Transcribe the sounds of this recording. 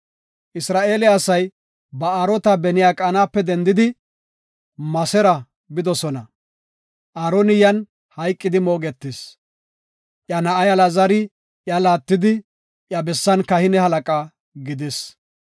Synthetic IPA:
ʔɪsɾaːʔe̞ːlɪɐsɐj | bɐaːɾɔt̪ɐbɛnɪjaːkʼaːnaːpːɛd̪ɛnd̪ɪd̪ɪ | mɐsɛɾɐ | bɪd̪ɔsɔnɐ | ʔaːɾɔnɪjɐn | hɐjkʼːɪd̪ɪmo̞ːɡɛt̪ːes | ʔjɐnɐʔɐjɐlazɐɾɪ | ʔjɐlaːt̪ːɪd̪ɪ | ʔjɐbɛsːɐnkɐhɪnɛhɐlɐkʼaː | ɡɪd̪ɪs

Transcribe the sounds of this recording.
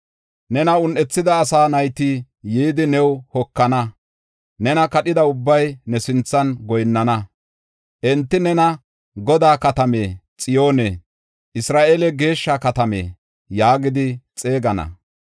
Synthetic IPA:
nɛnɐʊnʔɛt͡sːɪd̪ɐːsaːnɐjt̪i | jiːd̪ɪnɛwhɔkːɐnɐ | nɛnɐkɐɗɪd̪ɐʊbːɐjnɛsɪnt͡sːɐnɡɔjnːɐnɐ | ʔɛnt̪ːɪnɛnɐ | ɡɔd̪aːkɐt̪ɐmeːt͡sʼɪjo̞ːne | ʔɪsɾaːʔelɛɡe̞ːʃːakɐt̪ɐmḛː | jaːɡɪd̪ɪt͡sʼe̞ːɡɐnɐ̰

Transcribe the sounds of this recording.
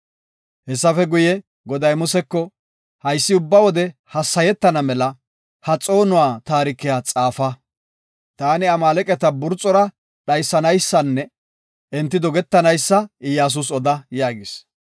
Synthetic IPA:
hɛsːɐfɛɡʊjɛ | ɡɔd̪ɐjmʊsɛkːɔ | hɐjsːɪʊbːɐwɔd̪ɛhɐsːɐjɛt̪ːɐnɐmɛlɐ | hɐt͡sʼo̞ːnʊwaːt̪aːɾɪkːɪjaːt͡sʼaːfɐ | t̪aːnɪɐmaːlɛkʼɛt̪ɐbʊɾt͡sʼːɔɾɐ | ɗɐjsːɐnɐjsːɐnːɛ | ɛnt̪ːɪd̪ɔɡɛt̪ːɐnɐjsːɐɪjaːs̬ʊs̬ɔd̪ɐjaːɡɪs

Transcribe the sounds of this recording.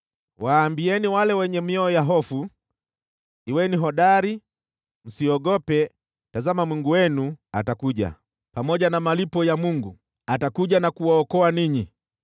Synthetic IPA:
waːmbiɛniwalɛwɛɲɛmiɔɔjaɦɔfu | iwɛniɦɔɗaɾi | m̩siɔɡɔpɛ | tazamamwiŋɡuwɛnuatakuʄa̰ | pamɔʄanamalipɔjamuŋɡu | atakuʄanakuwaɔkɔaniɲi

